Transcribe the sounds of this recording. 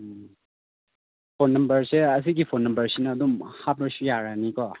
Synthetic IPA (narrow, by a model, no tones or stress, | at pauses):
pʰonːɐmbɐɾseɐs̬iɡipʰonːɐmbɐɾsinɐːdumhabəɾsujaɾanikɔ